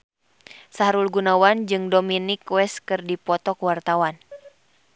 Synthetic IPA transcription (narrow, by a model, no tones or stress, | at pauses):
saɦɾulɡunawand͡ʒɨŋdominikwɛskɨrdipɔt̪ɔkwart̪awan